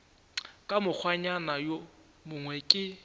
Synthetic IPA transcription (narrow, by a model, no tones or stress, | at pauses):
kʼamʊk͡xʰwaɲanajo | mʊŋwɛkʼɪ